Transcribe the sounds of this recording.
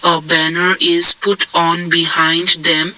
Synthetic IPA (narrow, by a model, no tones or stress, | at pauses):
əbænəɾɪz̥pʊʈʰɔ̃ːnbihãɪ̃nɖd̪ɛ̃m